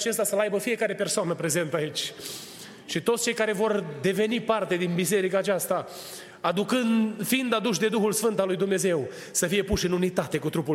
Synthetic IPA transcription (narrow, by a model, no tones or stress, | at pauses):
t͡ʃe̞st̪asəlajbəfijekaɾe̞pe̞rsoanəpɾe̞ze̞nt̪ait͡ʃʲ | ʃit̪ot̪st͡ʃe̞jkaɾe̞vo̞rd̪e̞ve̞nipart̪e̞d̪inbis̬e̞ɾikaːt͡ʃast̪aː | d̪ukɨnfiind̪ad̪uʃ̬d̪e̞d̪uxulsfɨnt̪alujd̪umne̞ze̞w | səfije̞puʃɨnunit̪at̪e̞kut̪ɾupu